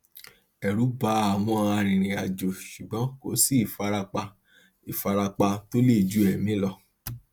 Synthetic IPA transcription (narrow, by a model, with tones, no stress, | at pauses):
ɛ˨ɾu˨˦ba˨˦a˨wɔ̃˧˦ã˧ã˧ɾ̃ĩ˨ɾ̃ĩ˨a˨d͡ʒo˨ʃu˨ɡ͡bɔ̃˨˦ko˨si˦˨fa˧ɾa˧k͡pa˧ | i˨fa˧ɾa˧k͡pã˧to˦le˦˨d͡ʒu˦ɛ˨mĩ˨˦lɔ˧